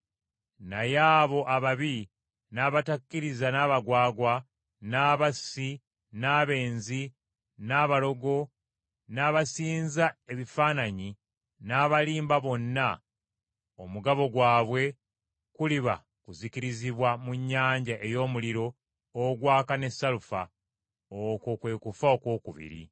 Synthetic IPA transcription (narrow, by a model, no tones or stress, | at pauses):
najaːβo̞ʔaβaβi | naːβatakːiɾizanaːβaɡwaːɡwa | naːβasi | naβe̞ːnzi | naːβalo̞ɡo̞ | naːβasiːnzae̞βifaːnaɲi | naːβaliːmbaβo̞nːa | omuɡaβo̞ɡwaːβwe̞ | kuliβa̰ | kuzikiɾiziβwamuɲːaːɲɟaʔe̞jo̞ːmuliɾo̞ː | ɡwaːkane̞sːalufa̰ | okokwe̞ːkufaokwo̞ːkuβḭɾḭ